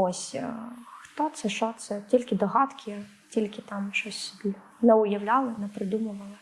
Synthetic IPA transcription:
osʲ | xt̪ɔt̪sɛʃɔt̪sɛtʲilʲkʲɪd̪ɔɦɑt̪kʲʰɪ | tʲilʲkʲɪt̪ɑmʃɔsʲsʲʊbʲi | nɛʊjɐwlʲalˠɪnɛpɾɪd̪umʊʋɐlˠɪ

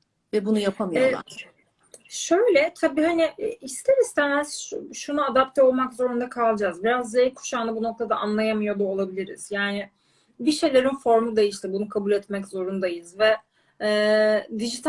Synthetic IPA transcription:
vɛbunujapʰamijɛa̰ɾ | ʃø̞jlʲɛt̪ʰabiːhanɪʔɛist̪ʰeɾist̪ʰɛmɛz̥ʃʃunuad̪ap̚t̪ʰɛo̞lˠmakzo̞ɾund̪akʰalˠd͡ʒaːzbiɾazːejikʰu̥ʃand̪abuno̞k̚t̪ʰad̪aʔanlˠajamɯjo̞d̪uo̞lˠabilʲiɾḭz̥jaːnɪ | biʃe̞jlʲe̞ɾinfo̞ɾmud̪e̞jiʃlʲibunukʰabulʲɛt̪mɛczo̞ɾund̪ajɯzvɛː | d̪iʒit̪ʰ

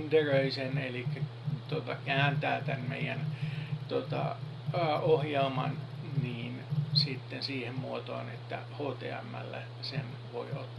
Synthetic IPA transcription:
nd̪̥erøisenelikːæ | t̪uot̪ɑkæːnt̪æːt̪ænmḛijænt̪ot̪ɑ̰ | ohjelmɑ̰n | niːnsit̪ːensiːhemmuot̪o̰ːnet̪ːæ̰ | hoːt̪ḛɑ̰mːæ̰lːæ̰ | sen | ʋo̰iot̪ː

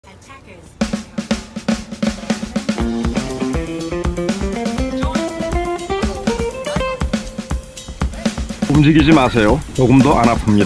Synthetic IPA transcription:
umd͡ʑiɡid͡ʑimasʰe̞jot͡ɕoɡɯmdoʔanapʰɯmɲida

